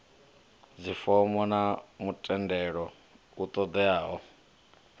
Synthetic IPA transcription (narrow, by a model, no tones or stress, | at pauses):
d͡zifɔmɔnamutʼɛndɛɺɔ | ut̪ʼɔd̪ɛaːɦɔ